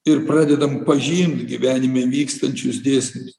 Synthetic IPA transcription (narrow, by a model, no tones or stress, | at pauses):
ɪɾpɾɑːd̪ʲɛd̪ɐmpɐʒʲiːmt̪ɡʲiʋʲæːnʲɪmʲeʋʲiːkst̪ɐnʲt͡ʃʲʊsd̪ʲeːsʲmʲʊs